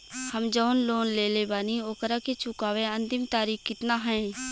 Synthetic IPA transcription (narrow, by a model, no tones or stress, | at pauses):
həmd͡ʒɔːnloːnleːlebaːnioːkəɾaket͡ʃʊkaːʋẽɐ̃nt̪ɪmt̪aːɾiːxkɪt̪naɦɛ̃ː